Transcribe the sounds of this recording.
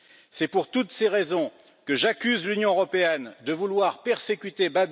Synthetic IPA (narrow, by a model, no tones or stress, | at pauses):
sɛpuʁt̪ut̪seʁezɔ̃ | kəʒakʲyzlynjɔ̃øʁɔpeɛnd̪əvulwaʁpɛʁsekʲyt̪ebab